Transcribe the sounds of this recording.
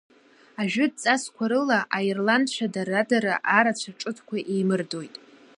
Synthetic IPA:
aʒᶣʊd̚t͡sʼaskʷʰaɾɨlaʔairlandʃʷʰadaradaɾaʔaɾat͡ɕʷʰaʈ͡ʂʼɨtʰkʷʰaʔejmɨrdo̞jtʼ

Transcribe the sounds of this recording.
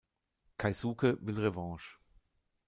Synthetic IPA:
kʰaɪsuːkəvɪlʁevɑ̃ːʃ

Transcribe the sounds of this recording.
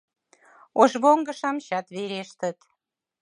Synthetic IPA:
oʒβoŋɡə̆ʃɑmɕɑt̪βeɾeʃt̪ət̪

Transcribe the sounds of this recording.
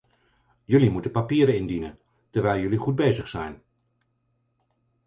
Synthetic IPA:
jɵlimutəpapiːɾəɪndinən | təɹʋɛjlˠjɵliχud̚bejzəχsɛjn

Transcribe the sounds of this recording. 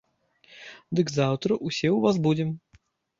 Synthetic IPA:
d̪ɨkzawt̪ɾɐʔusʲɛwvas̬bud͡zʲɛm

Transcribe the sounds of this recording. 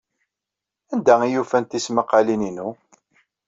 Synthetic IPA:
ænd̪æijufænt̪isməqːalininu

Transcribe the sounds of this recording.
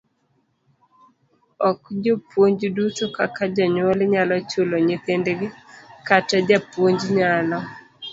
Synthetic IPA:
ɔkd͡ʒopwoɲd͡ʒdutokakad͡ʒɔɲwolɲalɔt͡ʃʊloɲɪt̪endɡɪkatad͡ʒapwoɲd͡ʒɲalɔ

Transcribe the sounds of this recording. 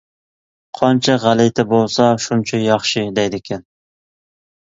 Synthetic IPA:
qʰɑnt͡ʃʰɛʁælɪjt̪ʰɛbolˠsɑʃunt͡ʃʰɛjɑχʃɪd̪ɛjd̪ɪkʲʰɛn

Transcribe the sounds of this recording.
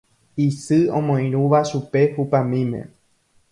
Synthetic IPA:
isɨõ̰mõĩɾũʋaʃupe̞hupãmĩmḛ̃

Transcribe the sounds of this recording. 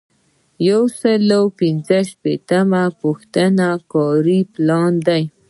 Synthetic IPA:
jawsəlawpinzəʃpet̪amapuxt̪ənakɑɾiplɑnd̪aj

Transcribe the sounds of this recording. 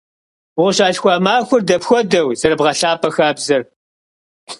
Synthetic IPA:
ʊʁɕaːɬxʷaːmaːxʷʊrdɐpxʷɔdɐwz̥ɐɾɨbʁɐɬaːpʰʼɐxaːbzɐr

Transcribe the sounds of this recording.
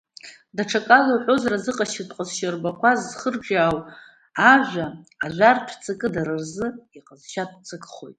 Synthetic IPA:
daʈ͡ʂʰakʼalowħʷozrazɨqʼaʃɪtʼqʼazʃarbakʷʰazːχərʒʷᶣaːw | aʒʷᶣaːʒʷartʰt͡sʰʼakʼɨdaɾɨrzɨiqʼazʃat̚ʼt͡sʰʼakʼχo̞̰jtʼ

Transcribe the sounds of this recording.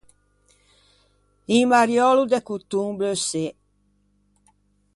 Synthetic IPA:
iŋmaɾjɔlud̪ɛkut̪ːuŋbløse

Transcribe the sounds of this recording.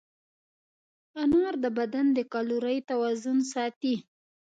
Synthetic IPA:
anɑɾd̪əbad̪and̪əkɑluɾəjt̪awɑzʊnsɑt̪i

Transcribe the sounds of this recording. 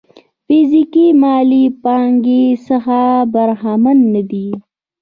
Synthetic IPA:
fizikimɑlipɑŋɡesəxabaɾɦamanːad̪i

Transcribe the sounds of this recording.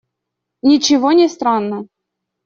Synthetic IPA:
nʲɪt͡ɕɪvonʲɪst̪ɾanːə

